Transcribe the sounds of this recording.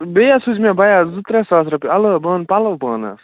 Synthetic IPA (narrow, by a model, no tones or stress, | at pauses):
bejasud͡ʒmebɐjazut̪ɾesaːsɾɐpiɐləbəːnpalɐʋbəːnɐ̰s